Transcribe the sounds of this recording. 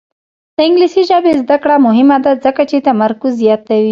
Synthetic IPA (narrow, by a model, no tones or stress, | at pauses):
d̪̥əɪŋɡlisiʒɑbezd̪akɽamʊɦɪmad̪azəkat͡ʃet̪amɐɾkuzːjɑt̪awi